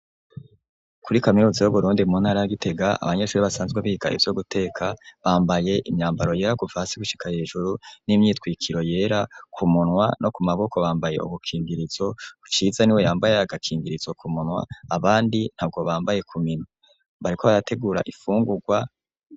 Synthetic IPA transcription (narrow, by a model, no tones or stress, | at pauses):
kʰuɾikaminuːzajoβuɾuːndiumunhaːɾajaɡitʰe̞ɡaa̰βaɲe̞ʃuːɾiβasaːnzɡweβiːɡa̰ḭvjoɡutʰe̞ːkʰaβaːmbaje̞ʔimɲaːmbaɾo̞je̞ːɾaɡuvahasiɡuʃi̥kʰahe̞ːʒuɾunimɲiːtkwiːkʰiɾo̞je̞ːɾakʰumunwanʔo̞kumaβo̞kʰo̞βaːmbaje̞̰ṵɡukʰiːŋɡiɾiz̥o̞ut͡ʃiːzaniwe̞jaːmbajeaɡakʰiːŋɡiɾiz̥o̞kʰumunwa̰ːβaːndin̥hab̚ɡo̞βaːmbaje̞kʰumino | βaɾikʰo̞βaɾatʰe̞ɡuːɾa̰ʔifuːŋɡuɡwa